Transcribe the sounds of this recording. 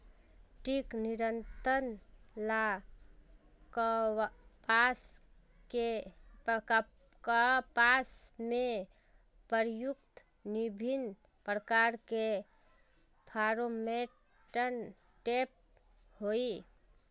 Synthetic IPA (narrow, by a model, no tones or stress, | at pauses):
ʈikniɾənt̪ənla | k | pas | ke | k | kəpasme | pəɾjuk̚t̪ | nibʱin | pɾəkaɾke | pʰaɾome | ʈən | ʈep̚ | hoi